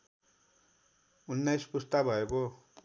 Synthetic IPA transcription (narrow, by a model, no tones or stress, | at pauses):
unːajspust̪abʱʌeko